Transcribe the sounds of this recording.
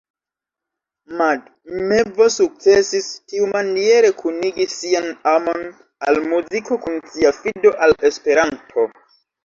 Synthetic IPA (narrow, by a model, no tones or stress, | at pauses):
mad | mevosuk̚t͡sesistiumanie̞ɾe̞kʰuniɡisianamo̞n | a̰lmuziko̞kunsiafido̞ʔale̞spe̞ɾantʰo